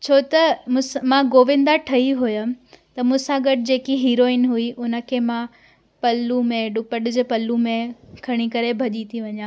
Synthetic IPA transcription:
t͡ɕʰoːt̪ɐmʊ̃smãɡoːʋɪ̃nd̪aʈʰɐiɦujət̪ɐmʊ̃sãɡɐɖd͡ʑeːkiɦiːɾoːɪnɦuiʔʊnə̆kʰeːmã | pɐlːumẽɗʊpəɗɪd͡ʑpɐlːumẽkʰɐɽ̃ikɐɾebʱɐʄit̪ʰiʋɐɲãː

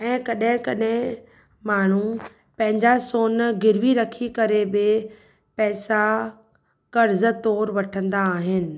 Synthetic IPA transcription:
ɛ̃ːkɐɗɦɪ̃kɐɗɦɪ̃ | maːɳ̤u | pɐ̃ɦɪ̃ɲd͡ʑasoːnɡɪɾʋiɾɐkʰikɐɾebɪ | pɛːsa | kɐɾzə̆t̪ɔːɾʋɐʈʰə̃nd̪aːɦɪnɪ̆

